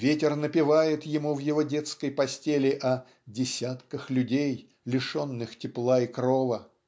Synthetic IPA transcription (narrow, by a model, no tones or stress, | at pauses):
vʲetʲɪrnəpʲɪvajɪt̪jɪmuvjɪvodʲet̪skəjpɐsʲtʲelʲɪʔɐ | dʲɪsʲat̪kəxlʲʉdʲej | lʲɪʂo̞nːɨxtʲɪplˠaikɾovə